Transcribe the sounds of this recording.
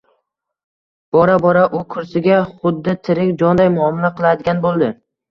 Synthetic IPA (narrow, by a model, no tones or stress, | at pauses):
b̥ɒɾabɒɾaʔʊkʰʊɾsɪɡʲaχʊd̪ːɪt̪ʰɪɾɪkʲd͡ʒɒnd̪ajmʊɒmɪnaqʰɨlˠad̪ɪɡʲanbolˠd̪ɪ